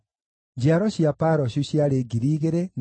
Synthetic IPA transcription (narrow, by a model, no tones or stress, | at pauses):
d͡ʑiaɾɔɕjapaɾɔɕuɕjaɾeɡiɾiːɣeɾen